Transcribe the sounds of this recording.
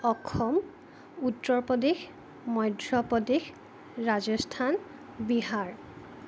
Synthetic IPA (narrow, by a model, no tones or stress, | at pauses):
ɔkʰːɔm | utːɔɹpɔdex | mɔjdʱɹɔpɔdex | ɹazɔstʰan | biɦaɹ